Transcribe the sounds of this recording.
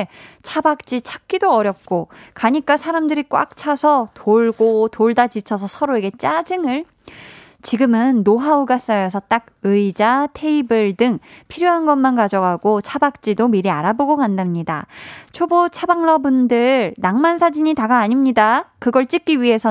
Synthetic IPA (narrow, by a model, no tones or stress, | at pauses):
t͡ɕʰabak̚t͡ɕ͈it͡ɕʰak̚k͈idoʌɾjʌp̚k͈okaɲik͈asʰaɾamdɯɾik͈wa̰k̚t͡ɕʰasʰʌtʰoɭɡotoɭdad͡ʑit͡ɕʰʌs̬ʰʌsʰʌɾoe̞ɡe̞t͡ɕ͈ad͡ʑɯŋɯɭ | t͡ɕiɡɯmɯnːoɦauɡas͈ʌjʌs̬ʰʌt͈aɡ̚ | ɯid͡ʑatʰe̞ibɯɭdɯŋpʰiɾjoɦanɡʌnmankad͡ʑʌɡɦaɡ̥ot͡ɕʰabak̚t͡ɕ͈idomiɾia̰ɾaboɡokandamɲida̰t͡ɕʰobot͡ɕʰabaŋɭʌbundɯɭnaŋmansʰad͡ʑiɲitaɡaːɲimɲidakɯɡʌɭt͡ɕ͈ik͈iɥiɦe̞sʰʌ